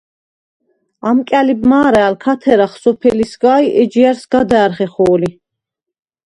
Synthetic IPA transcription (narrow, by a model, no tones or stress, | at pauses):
amkʼalib̚maːɾɛːlkʰat̪ʰɛɾaχsɔpʰɛlisɡaːiʔɛd͡ʒiaɾsɡad̪ɛːɾχɛχɔːli